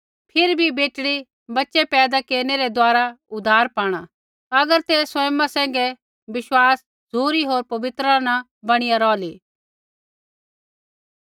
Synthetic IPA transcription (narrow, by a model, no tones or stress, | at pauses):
pʰɪɾbʱibeːʈɽi | bɐtːʃɛpɛːd̪akeːɾnɛɾɛd̪waːɾaʊd̪ʱːaːɾpaːɽ̃a | ɐɡəɾt̪eːswɐmãsɛ̃ːŋ̆ɡɛ | bɪʃwaːs | d͡zʱuːɾiɦoːɾpɐʋɪt̪ɾanã | bɐɽ̃ɪjaɾɔːliː